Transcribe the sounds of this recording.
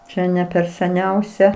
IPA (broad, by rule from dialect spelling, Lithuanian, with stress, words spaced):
ˈt͡ʃʲɛ nʲɛ pʲɛr sʲɛˈnʲɛʊsʲɛ